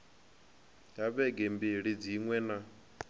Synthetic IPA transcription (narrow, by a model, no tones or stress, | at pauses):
jaβɛɡembiɺid͡ziŋwɛna